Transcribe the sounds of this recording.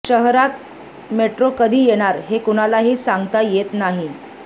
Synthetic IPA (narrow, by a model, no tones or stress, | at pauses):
ɕəɦɾat̪̚ | meʈɾokəd̪ʱiːjeɽ̃aɾɦekuɽ̃alaɦiːsaŋɡt̪ajet̪naɦi